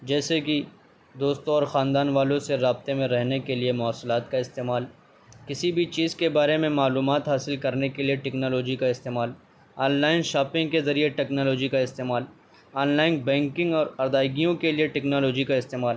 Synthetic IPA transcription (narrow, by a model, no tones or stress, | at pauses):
d͡ʒɛːseki | d̪oːst̪õɔːɾxãːnd̪aːnʋaːlõseɾaːb̚t̪emẽɾɛɦnekeliemʊaːslaːt̪kaɪst̪eːmaːl | kɪsibʱit͡ʃiːzkebaːɾemẽmaːluːmaːt̪ɦaːsɪlkɐɾnekelieʈɛknɔːlɔːd͡ʒikaɪst̪eːmaːl | ɔːnlaːɪnʃaːpɪ̃ŋɡkezɐɾieʈɛːknɔːlɔːd͡ʒikaɪst̪eːmaːl | ɔːnlaːɪnbɛ̃ːŋkɪ̃ŋɡɔːɾɐɾd̪aːɪɡijõkelieʈɛknɔːlɔːd͡ʒikaɪst̪eːmaːl